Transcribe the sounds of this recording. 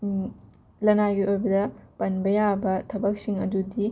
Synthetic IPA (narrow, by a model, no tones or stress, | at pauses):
lɐnaɡiʔojbɐdɐpɐnbɐjabɐtʰɐbɐk̚siŋɐdudi